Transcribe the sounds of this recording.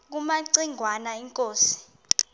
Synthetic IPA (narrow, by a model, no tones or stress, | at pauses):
k̬umaǀiŋʱwanaiŋkʼoːsi̥